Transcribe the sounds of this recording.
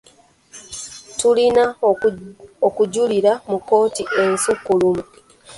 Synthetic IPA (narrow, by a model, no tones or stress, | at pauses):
tulina | okuɟuliɾamukːo̞ːtiʔe̞nsukːulumu